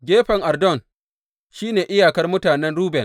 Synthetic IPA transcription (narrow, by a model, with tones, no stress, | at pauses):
ɡʲeː˦ɸɐ˨ŋʔa˨rdɔ˦˨ŋ | ʃiː˦neː˨ʔɪ˦jaː˨kɐ˦rmʊ˦taː˨nɛ˦nɽuː˦bɛ˨n